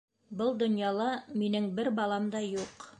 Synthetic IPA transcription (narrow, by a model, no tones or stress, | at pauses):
bɤlˠd̪ŏnjɑlˠɑminɘŋbɘɾbɑlˠɑmd̪ɑjuq